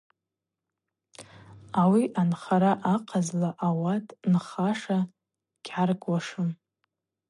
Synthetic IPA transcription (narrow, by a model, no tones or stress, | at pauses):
awiʔanχaɾaʔaqʰazlaʔawatʼnχaʂa | ɡ̥ʲʕarɡʼwaʂɨm